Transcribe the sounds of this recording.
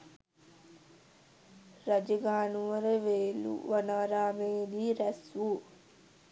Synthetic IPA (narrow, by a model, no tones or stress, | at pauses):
ɾɐd͡ʒəɡaːnuʋəɾəʋeːlṵʋanaːɾaːmeːdiːɾæsʋu